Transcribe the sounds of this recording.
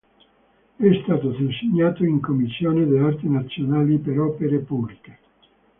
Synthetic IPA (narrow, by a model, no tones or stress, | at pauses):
ɛst̪aːt̪ot̪enseɲːaːt̪oiŋkomːisːjoːned̪eɔrt̪enat̪sːjonaːlipeɾɔːpeɾepublike̥